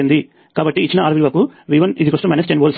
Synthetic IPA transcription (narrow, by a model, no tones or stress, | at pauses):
ind̪i | kaːbɐʈːiːt͡ʃːinɐaːɾʋilʋɐkuʋiːʋɐnid̪ikɐsʈɐmɐjnesʈenboːls